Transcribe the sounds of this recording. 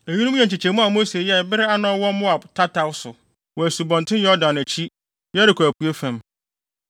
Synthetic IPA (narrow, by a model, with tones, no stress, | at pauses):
e˨ɲi˦nũ˦m̃˦ɛ̃˨ɲ˨t͡ɕʰɪ˨t͡ɕʰɛ˨mũ˦a˨mo˦se˨jɛ˦˨bɪ˦ɾɪ˦a˦nɔ̃˦wɔ̃˦mʊ̃˦a˨btʰa˦tʰa˦wsʊ˨ | wɔ˨æ˨su˨bɔ̃˨ntʰɪ̃˦jɔ˦dã˨næ˨t͡ɕʰi˦ | jɛ˦ɾɪ˨kʰæ˨kʰu˨e˦fæ̃˨m